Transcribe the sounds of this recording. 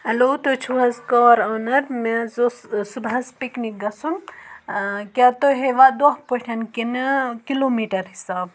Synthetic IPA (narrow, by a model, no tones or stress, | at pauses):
ɦɐlot̪ot͡ʃʰuɦɐzkaːɾɔːnɐɾmezosubɐzpiknik̚ɡɐsun | kʲat̪oɦeʋad̪oɦpoʈʰɐnkinkilomiʈɐɾɦisaːb